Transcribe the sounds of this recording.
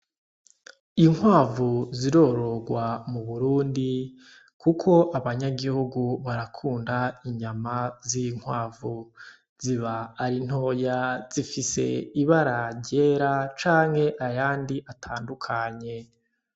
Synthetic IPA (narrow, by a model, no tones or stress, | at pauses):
iŋwaːvuziɾo̞ːɾo̞ɡwamuβuɾuːndi | kukʰo̞ʔaβaɲaɡihuɡuβaɾakʰuːndaiɲamaziŋ̥hwaːvu | z̥iβaːɾin̥ho̞ːjaz̥ifise̞̰iβaɾaɾɟe̞ɾat͡ʃaːŋhe̞ʔajaːndiʔatʰaːndukʰaɲe̞